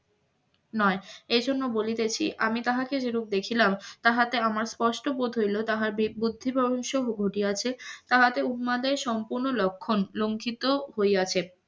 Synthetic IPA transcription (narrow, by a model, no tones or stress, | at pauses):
nɔeejd͡ʑʱonːobolit̪et͡ɕʰḭʔamit̪aɦaked͡ʑeɾuk̚d̪ekʰilamt̪aɦat̪eamaɾspɔʃʈopod̪ʱojlot̪aɦaɾbibud̪ʱːibɔboŋʃoɦoɡʱoʈiat͡ɕʰet̪aɦat̪euɦmad̪eɾʃɔmpuɾnolɔkʰːonloŋkʰit̪oɦojat͡ɕʰe